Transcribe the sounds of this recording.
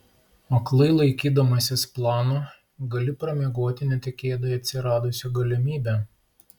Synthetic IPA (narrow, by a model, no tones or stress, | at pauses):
ɐklˠɐɪlˠɐɪkʲiːd̪ɐmɐsʲɪsplˠɑːnoː | ɡɐlʲɪpɾɐmʲeːɡoːt̪ʲɪnʲɛt̪ʲɪkʲeːd̪oːjɛɐt̪ʲsʲɪɾɑːd̪ʊsʲʊɡɐlʲɪmʲiːbʲæ